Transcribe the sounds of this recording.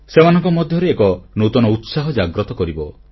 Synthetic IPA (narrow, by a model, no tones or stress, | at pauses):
semanɔŋkɔmɔd̪ʱjɔɾeːkɔnot̪ɔnɔut̪saɦɔd͡ʒaɡɾɔt̪ɔkɔɾibɔ